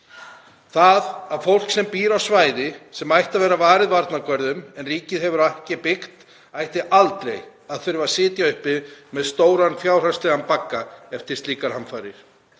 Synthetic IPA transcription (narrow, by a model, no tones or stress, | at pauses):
θaðaðfowl̥ksɛmpiːɾawsvaːjðɪsɛmajht̪avɛːɾavaːɾɪðvaɾt̪nakvœɾðʏmɛnriːcɪðhɛvʏɾajhcɪpɪxt̪ | ajht̪ɪʔalt̪lejɣaðθʏɾɪvasɪːt̪jaʏhpɪmɛðst̪oːwɾanfjaːwr̥ḁst̪ɛɣanpakːaɛft̪ɪ̥st̪liːkaɾ̥hamfajɾɪɾ̥